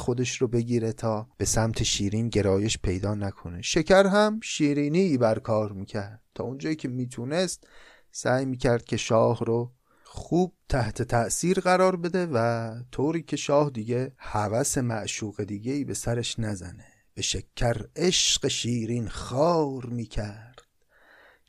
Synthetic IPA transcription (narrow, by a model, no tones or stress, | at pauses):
xod̪e̞ʃɾobe̞ɡiːɾe̞t̪ʰɒːb̥e̞sæmt̪ʰe̞ʃiːɾiːnɟe̞ɾɒːje̞ʃpʰe̞jd̪ɒːnækʰo̞ne̞ʃecʰæɾɦæmʃiːɾiːniːbæɾkʰɒːɾmiːcʲʰæɾd̪̥̚t̪ʰɒ̰ːond͡ʒɒːiːkʲʰe̞miːt̪ʰune̞st̪̚ | sæːjmiːcʲʰæɾd̪̚cʰʲe̞ʃɒːhɾo | xuːb̥̚t̪ʰæht̪ʰe̞t̪ʰæʔsiːɾɢæɾɒːɾbe̞d̪e̞væt̪ʰoːɾiːcʰe̞ʃɒːhd̪iːɡehævæse̞mæʔʃuːɣe̞d̪iːɟe̞iːbe̞sæɾe̞ʃnæzæ̰ne̞ | b̥eʃekʰːæɾeʃɢ̥e̞ʃiːɾiːnxɒːɾmiːcʰæɾd̪̥